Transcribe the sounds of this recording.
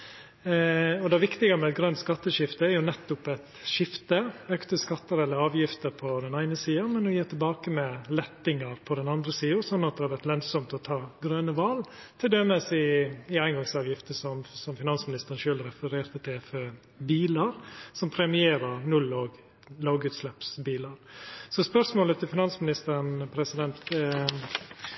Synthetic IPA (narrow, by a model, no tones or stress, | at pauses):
ɔd̪ɛʋɪkt̪ɪɡɑmɛɛt̪̚ɡɾœnt̪skɑt̪ːəʂɪft̪əæɾjʊnɛt̪ːʊpɛt̪ʃɪft̪əøːkt̪əskɑt̪ːəɾɛlːəɾɑːʋjɪft̪əɾpʰɔd̪ɛnæɪnəsiːɑmɛnɔjiːt̪ʰɪlbɑːkəmɛlɛt̪ːɪŋəɾpʰɔd̪ɛnɑnd̪ɾəsiːʊɾsɔnːɑt̪̚d̪ɛhɑɾʋæɾʈ̪lœnsɔmt̪ɔt̪ʰɑːɡɾøːnəʋɑlt̪ʰɪld̪ɛməsɪɪæɪnɡɑŋsɑːʋjɪft̪əsɔmsɔmfɪnɑnsmɪnɪst̪əɾənʃøːlɾɛfəɾeːɾt̪ət̪ʰɪɛfø | biːləɾsɔmpʰɾɛmɪeːɾəɾnʉlːoːɡ | loːɡʉːt̪slɛpsbiːləɾsɔspœʂmoːlət̪ʰɪlfɪnɑnsmɪnɪst̪əɾnpʰɾɛsɪd̪ɛnt̪